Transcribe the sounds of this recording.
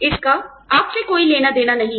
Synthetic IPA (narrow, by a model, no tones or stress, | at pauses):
ɪska | aːpsekoːileːnad̪eːnanɐɦĩ